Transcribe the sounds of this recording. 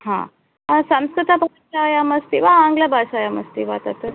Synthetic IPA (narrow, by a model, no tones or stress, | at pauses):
hã̰ | sãmskɾɨt̪abʱaɕajaməst̪iʋaãŋɡlabʱaʂajaməst̪iʋat̪at̪ə